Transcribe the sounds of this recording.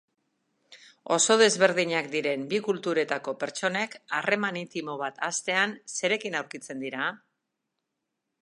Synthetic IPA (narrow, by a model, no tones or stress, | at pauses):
o̞̰so̞ð̞e̞zβe̞ɾð̞iɲakd̪iɾe̞mbikult̪uɾe̞t̪ako̞pe̞ɾt͡ʃo̞ne̞kare̞manit̪imo̞β̞at̪ʰast̪e̞anse̞ɾe̞kinawɾkit͡se̞nd̪iɾa